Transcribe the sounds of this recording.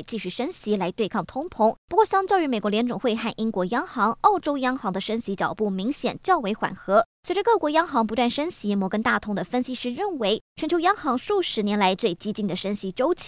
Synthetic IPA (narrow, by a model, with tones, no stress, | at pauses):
t͡ɕi˥˧ɕy˥˩ʂə˥nɕi˧˥la˧˥ɪt̪we˥˧ɪkʰɑ˥˩ŋt̪ʰʊ˥ŋpʰʊ˧˥ŋpu˧˥kwɔ˥˧ɕjɑ˥ŋt͡ɕjɑ˥˧ʊy˥˩me˨˩ɪkwɔ˧˥ljɛ˧˥nʈ͡ʂʊ˨˩xwe˥˧ɪxa˥˩nʔi˥nkwɔ˧˥jɑ˥ŋxɑ˧˥ŋɑ˥˩ʊʈ͡ʂo˥ʊjɑ˥ŋxɑ˧˥ŋd̪ə˧ʂə˥nɕi˧˥t͡ɕjɑ̰˨˩ʊpu˥˩mi˧˥ŋɕjɛ̰˨˩nt͡ɕjɑ˥˩ʊwe˧˥ɪxwa̰˨˩nxɤ˧˥swe˧˥ʈ͡ʂə˧kɤ˥˩kwɔ˧˥jɑ˥ŋxɑ˧˥ŋp̬u˧˥wa˥˩nʂə˥nɕi˧˥mwɔ˧˥kə˥nt̪a˥˩t̪ʰʊ˥ŋd̪ə˨fə˥nɕi˧˥ʂɻ̩˥˧ɻə˥˩nwe˧˥ɪʈ͡ʂʰɛ˧˥nt͡ɕjo˧˥ʊjɑ˥ŋxɑ˧˥ŋʂu˥˩ʂɻ̩˧˥njɛ˧˥nla˧˥ɪt͡swe˥˩ɪt͡ɕi˥t͡ɕi˥˩nd̪ə˩ʂə˥nɕi˧˥ʈ͡ʂo˥ʊt͡ɕʰ